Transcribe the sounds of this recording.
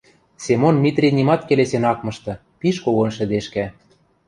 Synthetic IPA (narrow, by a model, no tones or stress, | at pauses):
sʲemonmit̪rʲinimɑt̪̚kelesenɑkmɤ̆ʃt̪ɤ̆ | piʃkoɣonʃɘ̆d̪eʃkæ